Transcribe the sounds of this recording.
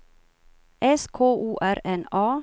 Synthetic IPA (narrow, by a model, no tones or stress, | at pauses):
ʔɛskʰoːʔuːʔæɾɛnɑː